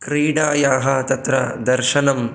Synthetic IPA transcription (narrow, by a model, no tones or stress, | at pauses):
kɾiːɽaːjaːɦɐt̪ɐt̪ɾɐd̪ɐɾʃɐnɐm